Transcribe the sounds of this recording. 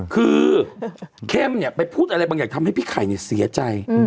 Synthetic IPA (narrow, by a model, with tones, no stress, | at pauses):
kʰɯː˧ | kʰɛː˥˩mni˦˥˩ɐpa˧jpʰuː˥˩t̪̚ʔa˧ɾa˧jbaː˧ŋjaː˨˩kt̪ʰa˧mha˥˩pʰiː˦˥˩kʰaː˨˩˦jni˥˩ɐsi˩˦ɐt͡ɕa˧j